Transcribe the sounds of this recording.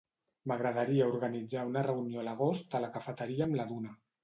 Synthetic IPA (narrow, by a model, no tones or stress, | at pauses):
məɣɾəð̞əɾiəuɾɣənid͡zaunərəunioləɣ̞ost̪ələkəfət̪əɾiəːmləðunə